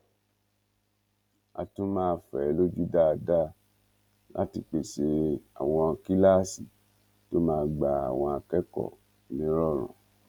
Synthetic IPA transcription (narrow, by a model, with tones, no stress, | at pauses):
a̰˧tũ˦mãː˦˧fɛ˨˦lo˦d͡ʒu˦da˦a˧da˦ | lʔa̰˦ti˧˨k͡pe˨ʃe˧a̰˨w̃ɔ̃˧a˧ki˦la˦˨si˨ | to˦mãː˦˧ɡ͡ba˨a̰˨w̃ɔ̃˧a˧kɛ˦kɔ̰˦˨ | nĩ˨˦ɾɔ˦˨ɾ̃ɔ̰̃˨